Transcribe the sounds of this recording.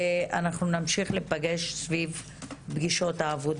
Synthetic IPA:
anaχnunamʃiχlepaɡe̞ʃsviv | bɡiʃo̞t̪haːvod

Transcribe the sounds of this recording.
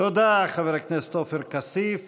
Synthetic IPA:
od̪aχaveɾaknese̥t̪ofeɾkasif

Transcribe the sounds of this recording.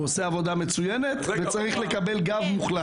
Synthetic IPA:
oseavo̞d̪amet͡sujenet̪vet͡saʁiχlekabelɡavmuχla

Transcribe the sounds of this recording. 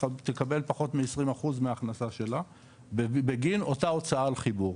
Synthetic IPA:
t̪ekabe̞lpaχo̞t̪meesʁimaχuzmeaːχnasaʃe̞la | bbeɡino̞tao̞t͡saalχibuʁ

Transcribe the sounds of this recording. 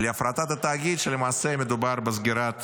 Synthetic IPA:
leafɾat̪at̪at̪aːɡʲid̪ʃelemaːsemed̪ubaɾbezɡiɾat̪

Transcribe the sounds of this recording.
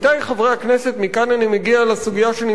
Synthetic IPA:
t̪ajχevʁejhakneset̪mikananimeɡialasuɡijaʃeani

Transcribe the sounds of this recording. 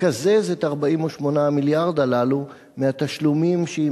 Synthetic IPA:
azezet̪aʁbaimoʃmo̞namiljaʁd̪alalu | meat̪aʃlumimʃei

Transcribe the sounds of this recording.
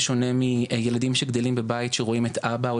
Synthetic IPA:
ʃo̞ne̞mijeladimʃeɡd̪elimbebajitʃeʁoime̞t̪abao

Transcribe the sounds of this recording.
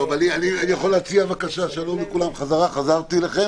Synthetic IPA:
ovanianianijaχoleːt͡siavakaʃaʃalomikulamχazaʁaχazaʁt̪ilaχe

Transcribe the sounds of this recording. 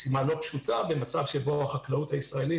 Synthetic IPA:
simalo̞pʃut̪abe̞mat͡savʃeboaχaklaut̪haisʁae̞li

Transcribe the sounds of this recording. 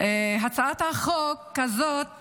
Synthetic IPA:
ʔeɦat͡saat̪haχokːazot̪̚

